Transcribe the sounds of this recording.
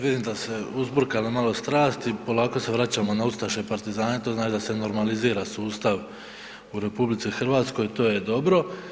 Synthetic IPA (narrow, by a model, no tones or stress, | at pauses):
ʋid̪iːmd̪ase̞uzbr̩kalimalo̞st̪ɾaːst̪ipo̞lˠaːko̞se̞ʋɾat͡ɕaːmo̞naust̪aʃo̞jpaɾt̪izaːne̞t̪oznaːt͡ʃid̪ase̞no̞ɾmaliziːɾasuːst̪aʋ | uɾe̞publit̪sixr̩ʋaːt̪sko̞jt̪o̞ːje̞d̪o̞bɾo̞